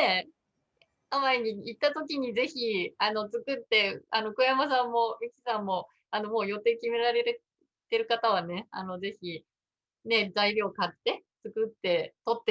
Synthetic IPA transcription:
e | amaiɲ̟iit̪ːat̪o̞k̬ʲiɲ̟ize̞çiano̞t͡sɨkɯ̟t̪ːe̞ano̞kojamas̬ãmːo̞mʲikʲi̥sãmːo̞ | ano̞mo̞ːjo̞t̪e̞ːkʲime̞ɾaɾe̞ɾe | t̪eɾɯ̟kat̪aβane̞a̰no̞ze̞çi | ne̞d͡zaiɾʲo̞ːkat̪ːe̞t͡sɨkɯ̟t̪ːe̞t̪o̞t̪ːe

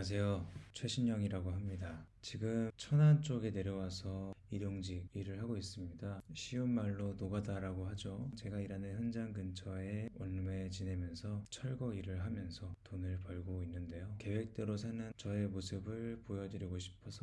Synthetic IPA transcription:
as̬ʰe̞jot͡ɕʰweɕʰimɲʌŋiɾaɡoɦamɲidat͡ɕiɡɯmt͡ɕʰʌnant͡ɕ͈oɡe̞ne̞ɾjʌwasʰʌiɾjoŋd͡ʑiɡiɾɯɭɦaɡois͈ɯmɲidaɕʰiummaɭːonoɡadaɾaɡoɦad͡ʑot͡ɕe̞ɡaiɾanɯnjʌnd͡ʑaŋɡɯnt͡ɕʰʌe̞ʌnme̞t͡ɕine̞mjʌnsʰʌt͡ɕʰʌɭɡʌiɾɯɭɦamjʌnsʰʌtonɯɭpʌɭɡoinːɯnde̞joke̞we̞k̚t͈e̞ɾos̬ʰanɯnt͡ɕʌe̞mosʰɯbɯɭpojʌdɯɾiɡoɕʰi̥pʰʌsʰʌ

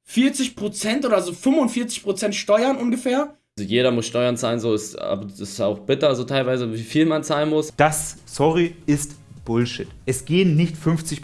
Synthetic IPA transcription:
fiːɐt͡sɪçpʁ̥ot͡sɛntʔoːdɐzoːfʏmvʊntfiːɐt͡sɪ̥çpʁ̥ot͡sɛntʃtɔʏɐnʔʊnɡəfeːɐ | zojeːɾɐmʊsʃtɔʏɐnt͡saːlənzoːɪsta̰bɐɪsaʊxb̥ɪtɐzoːtʰaɪlvaɪzəviːfiːlmant͡saːlənmʊsd̥asːɔʁiɪstb̥ʊlʃɪtʔɛsɡ̥eːənːɪçtfʏnft͡sɪç

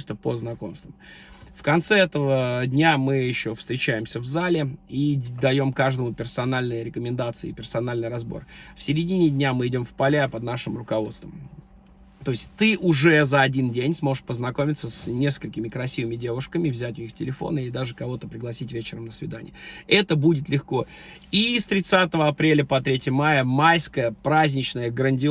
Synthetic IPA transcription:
sʲt̪əpəznɐko̞̰mst̪vəmfkɐnt̪sɛɛt̪əvədʲnʲamɨjɪɕːo̞fst̪ɾʲɪt͡ɕæjɪmsʲəvzalʲɪid̪ɐjo̞mkaʐd̪əmʊpʲɪrsɐnalʲnɨjəɾʲɪkəmʲɪnd̪at̪sɨɪ̰ːpʲɪrsɐnalʲnɨjɾɐzbo̞̰rfsʲɪɾʲɪdʲinʲɪdʲnʲamɨɪdʲo̞mfpɐlʲapəd̪naʂɨmrʊkɐvo̞t̪st̪və̰m | t̪o̞ɪsʲt̚ʲt̪ɨʔʊʐɛzəɐdʲindʲenʲsmo̞ʐɨʂpəznɐko̞mʲɪt̪səsnʲe̞skəlʲkʲɪmʲɪkɾɐsʲivɨmʲɪdʲe̞vʊʂkəmʲɪvzʲætʲʊnʲixftʲɪlʲɪfo̞̰nəɪd̪aʐɨkɐvo̞t̪əpɾʲɪɡlˠɐsʲitʲvʲet͡ɕɪɾəmnəsvʲɪd̪anʲɪ̰jəʔɛt̪əbudʲɪt̪lʲɪxko̞ | ist̪ɾʲɪt̪sat̪əvəɐpɾʲelʲəpɐt̪ɾʲetʲɪmajəmajskəjəpɾazʲnʲɪt͡ɕnəjəɡɾənʲdʲɪ

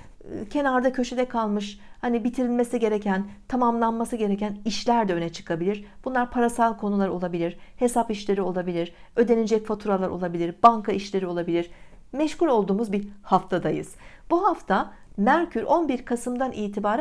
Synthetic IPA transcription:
cʰe̞naɾd̪acʰø̞ʃe̞d̪ɛkʰalˠmɯʃhanibit̪ʰiɾilʲme̞siɟe̞ɾecʰænt̪ʰamamlˠanmasɯɟe̞ɾecæniʃlʲæɾd̪ɛø̞nɛt͡ʃʰɯ̥kʰabilʲiɾb̥unlˠaɾpʰaɾasalˠkʰo̞nulˠaɾo̞lˠabilʲiɾ̥he̞sapiʃlʲe̞ɾio̞lˠabilʲiɾ | ø̞d̪e̞nid͡ʒɛcfot̪ʰuɾalˠaɾo̞lˠabilʲiɾbaŋkʰaiʃlʲe̞ɾio̞lˠabilʲiɾ̥ | mɛʃculʲo̞lˠd̪uːmuzbihaft̪ʰad̪ajɯ̰z̥b̥uɦaft̪ʰa | mæɾcʰyɾʔo̞nbiɾkʰasɯmd̪anʔiːt̪ʰibaːɾ

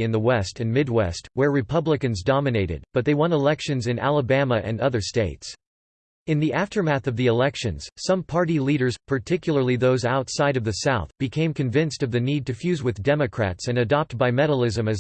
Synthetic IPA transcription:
ɨ̃nðəwɛstɨ̃nmɪd̚wɛ̰st̚wə˞ɹɨpʰʌblɨkɨ̃nzdɑmɨneɪɾɨ̰d̚b̥ʌt̪̚ðeɪwʌ̃ñəlɛkʃɨ̃nzɨ̃næ̰lˠəbæməʔɨ̰̃nʌðə˞steɪts | ɨ̃nðiʔæftə˞mæθʌvðiɨlɛkʃɨ̃nz̥sʌ̃mpʰɑɹɾiliɾə˞z̥pʰə˞tʰɪkjl̩ˠə˞lˠiðoʊzaʊtsaɪɾʌvðɨsaʊθb̥ɨkʰẽɪ̃mkɨ̃ɱvɪ̃nstʌvðɨnid̚tɨfjʉzwɨðdɛmɨkʰɹ̥æ̰tsɨ̃nɨdɑp̚t̚b̥aɪmɛɾl̩ˠɪzɨ̃mɨz

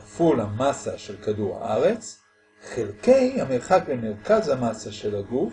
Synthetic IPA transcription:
fulhamasaʃelkaduʁa̰ʔaʁet͡s | χelkejhameʁχakbemeʁkazhamasaʃelaɡuf

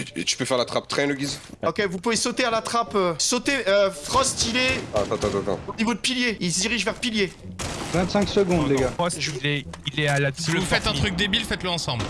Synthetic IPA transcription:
t̪y̥pøfɛʁlat̪χap̚t̪χɛ̃ləɡʲizɔkʲevupuvesot̪ealat̪χapøsot̪eøfχɔst̪ilɛat̪ɑ̃t̪ɑ̃t̪ɑ̃t̪ɑ̰̃onivod̪əpiljeilsd̪iʁiʒvɛʁpilje | vɛ̃t̪sɛ̃ksəɡɔ̃d̪leɡaɔst̪ilɛilɛalad̪lfɛt̪ɛ̃t̪χyk̚d̪ebilfɛt̪ləɑ̃sɑ̃bl

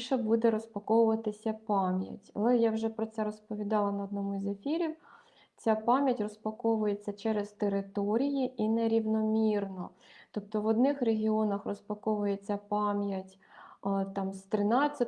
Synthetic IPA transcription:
ʃɛbud̪ɛɾɔspɐkɔwʊʋɐt̪ɪsʲɐpɑmʲjɐ̰tʲɐ̰lˠɛjawʒɛpɾɔt̪sɛɾɔspɔʋʲid̪ɑlˠɐnɐɔd̪nɔmʊizefʲiɾʲiw | t͡sʲapɑmʲjɐtʲrɔspɐkɔʋʊjet͡sʲːɐt͡ʃɛɾez̥t̪eɾɪt̪ɔɾʲijiʔinɛɾʲiwnɔmʲirnɔ | t̪ɔp̚t̪ɔʋɔd̪nɪxreɦʲiɔnɐxrɔspɐkɔʋʊjet͡sʲːɐpɑmʲjɐtʲ | t̪ɑmst̪ɾɪnɑt͡sʲːɐ

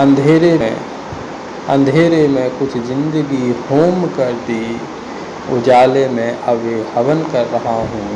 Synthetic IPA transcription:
ə̃nd̪ʱeːɾẽ | ə̰̃nd̪ʱeːɾemẽkʊt͡ʃʰzɪ̃nd̪əɡihoːmkəɾd̪iː | ʊd͡ʒaːlemẽʔɐbehɐʋənkɐɾːɐɦaɦũː

